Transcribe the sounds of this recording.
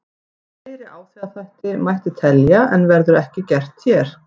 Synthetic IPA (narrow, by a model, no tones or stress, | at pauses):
fɪːɾɪʔaːwθiaðθajht̪ɪmajht̪ɪt̪ʰɛljaʔɛnvɛɾðʏɾɛhcɪcɛr̥t̪çɛɾ̥